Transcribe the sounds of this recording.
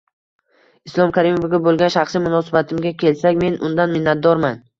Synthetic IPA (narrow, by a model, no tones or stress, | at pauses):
ɪslˠɒmkʰaɾimofɡʲabolˠɡʲanʃaχsimʊnɒsɪbat̪ʰɪmɡʲakʲʰe̞lsakʲme̞nʊ̰nd̪anmɪnːat̪̚d̪ɒɾman